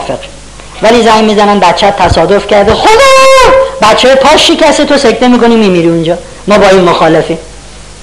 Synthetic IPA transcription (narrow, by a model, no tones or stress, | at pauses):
feq | væliːzæŋɡmiːzænæn̚bæt̪t͡ʃʰætt̪ʰæsɒːd̪o̞fcʰæɾd̪exod̪ebæt̪t͡ʃʰːejpʰɒːʃːicæst̪et̪ʰo̞sek̚t̪e̞miːko̞niːmiːmiɾiːund͡ʒɒː | mɒːbɒːiːmmoxɒːlefim